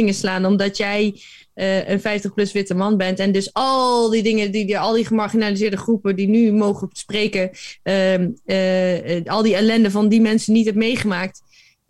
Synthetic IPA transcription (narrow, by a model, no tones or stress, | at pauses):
ɪŋəslaːnɔmdɑtjɛj | ʔənfɛjftəχplɵsʋɪtəmɑnbɛntɛndɵsɑldidɪŋədiɑlˠdiχəmaɹχinalizɪːɹdəχrupədinymowχəsprejkə | ɑlˠdiɛlɛndəvɑndimɛnsənitɦɛpmejχəmaːk̚t